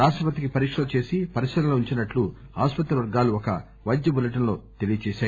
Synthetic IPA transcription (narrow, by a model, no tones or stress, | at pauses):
ɾaːʂʈɾɐpɐt̪̬ikipɐɾiːkʂɐlot͡ʃe̞ːsipɐɾiʃɐɾɐloːuɲt͡ʃinɐʈlu | a̰ːspɐt̪ɾɐʋɐɾɡaːluɔkɐ | ʋɐjd̪ːɐbulɐʈ̬ɐnlo̞ːt̪e̞lijɐt͡ʃɛːʃaː